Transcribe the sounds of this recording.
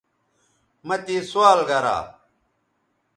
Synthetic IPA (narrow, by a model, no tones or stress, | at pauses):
mɐt̪iːsuaːlɡɐɾa̰ː